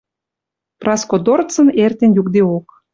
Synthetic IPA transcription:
prɑskod̪ort͡sə̆nert̪enjukd̪eok

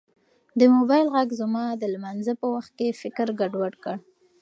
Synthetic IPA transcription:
d̪əmobɑjlɣaɡzəmɑd̪əlmanzəpəwaxt̪̚kefɪkɾɡaɖwaɽkəɽ

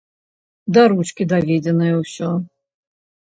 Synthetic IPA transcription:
d̪ɐɾut͡ʃkʲid̪avʲed͡zʲɛnɨjɛwsʲɔ

